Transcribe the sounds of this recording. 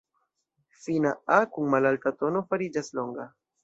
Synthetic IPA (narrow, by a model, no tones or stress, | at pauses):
finaakuŋmalaltato̞no̞faɾid͡ʒaslo̞ŋɡa